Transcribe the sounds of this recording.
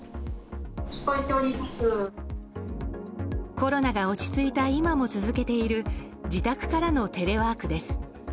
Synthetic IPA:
ɕi̥poit̪eoɾʲipɯkɯ | ko̞ɾo̞naɡao̞t͡ɕi̥t͡sɨit̪aimamo̞t͡sɨzɨke̞t̪e̞iɾɯ̟ | d͡ʑit̪akɯ̟̥kaɾano̞t̪e̞ɾe̞βaːkɯ̟d̪e̞sɨ̥

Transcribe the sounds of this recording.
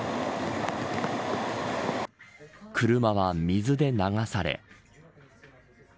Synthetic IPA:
kɯ̟ɾɯ̟maβ̞amʲizɨd̪e̞naɡasaɾe̞̰

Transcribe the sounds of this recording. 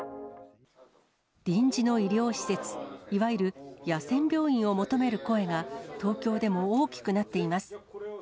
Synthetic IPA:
d̪̥ʲĩɲ̟d͡ʑino̞iɾʲjo̞ːɕi̥se̞t͡sɨ̥iβaiɾɯ̟jasẽ̞mbʲjo̞ːĩɰ̃o̞mo̞t̪o̞me̞ɾɯ̟ko̞e̞ɡat̪o̞ːkʲo̞ːd̪e̞mo̞oːkʲi̥kɯ̟nat̪ːe̞imasɨ̥

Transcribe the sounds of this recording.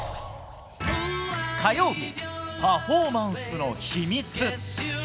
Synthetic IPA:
t̪ajo̞ːbʲipaɸo̞ːmãɰ̃sɨno̞ɕimʲit͡sɨ

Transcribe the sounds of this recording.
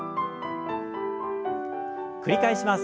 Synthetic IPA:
kɯ̟ɾʲikaiɕimas

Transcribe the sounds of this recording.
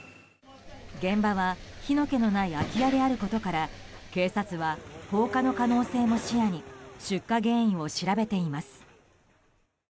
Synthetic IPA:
ɡẽ̞mbaβaçino̞ke̞no̞naiakʲijad̪e̞aɾɯ̟ko̞t̪o̞kaɾake̞ːsat͡sɨβaho̞ːkano̞kano̞ːse̞ːmo̞ɕijaɲ̟iɕɨkːaɡẽ̞ɰ̃ĩo̞ɕiɾabe̞t̪e̞imasɨ̥

